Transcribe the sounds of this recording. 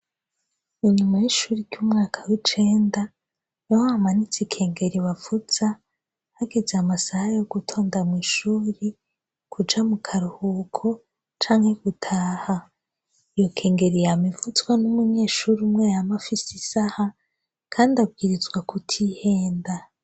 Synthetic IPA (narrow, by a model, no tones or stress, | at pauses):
iɲumajiʃuːɾiɾɟumŋaːkʰawit͡ʃe̞ːnda | johaamanit͡sikʰe̞ːŋɡe̞ɾiβavuz̥a | haɡe̞zeamasahajo̞ɡ̥utʰo̞ːndamŋiːʃuːɾi | kʰud͡ʒamukʰaɾuhuːkʰo̞ | t͡ʃaːŋhe̞ɡutʰaːha | ijo̞kʰe̞ːŋɡe̞ɾijamivut͡swanumuɲe̞ːʃuːɾumŋejamafisisaha | kʰaːndiab̚ɡiɾizɡwakʰutʰihe̞ːnda